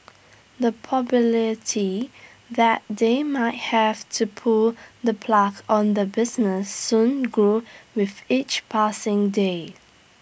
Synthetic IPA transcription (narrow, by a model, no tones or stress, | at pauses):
ðəpʰɔbələtʰi | ðæt̚demaɪt̚hævtʰupʰʊlðəpʰlakʰɔ̃ndəbɪznəsːũnɡɹuwɪðit͡ʃpʰasɪ̃ŋde